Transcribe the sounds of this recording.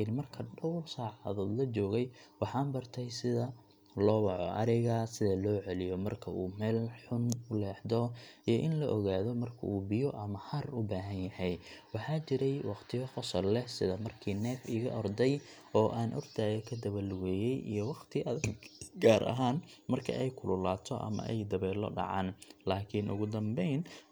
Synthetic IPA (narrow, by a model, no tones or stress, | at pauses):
ɪnmɐrkʰɐɖɔwrsaːʕɑaðɔːd̪lɐt͡ʃɔːɣɛjwɑħɑːmbɐrt̪ʰɛjsɪðɐ | lɔːwɑʕɔʔɐ̰ɾɪɣɐsɪðɐlɔːʕɛlɪjɔmɐrkʰɐuːmɛːlħʊnʊlɛːħd̪ɔʔijɔʔɪnlɐʔɔɣaːðɔmɐrkʰɐ̰uːbɪjɔʔɐmɐhɐrʊbaːɦɐnjɐhɛjwɑħɑːt͡ʃɪɾɛjwɑqt̪ʰɪjɔχɔsɐlːɛhsɪðɐmɐrkʰiːnɛːfɪːɣɐ̰ʔɔrd̪ɛjʔɔːʔaːnʔɔ̰rt̪ʰaːjɐkʰɐd̪ɐβɐlwɛːjɛjʔḭjɔwɑqt̪ʰɪʔɐðɡaːɾʔɐ̰ɦaːnmɐrkʰɐ̰ʔɛjkʰʊlʊlaːt̪ʰɔʔɐ̰mɐ̰ʔɛ̰jd̪ɐβɛːlɔ̰ɖɑ̰ʕɑ̰ːnlaːkʰɪnʔʊ̰ɣʊd̪ɐmbɛjn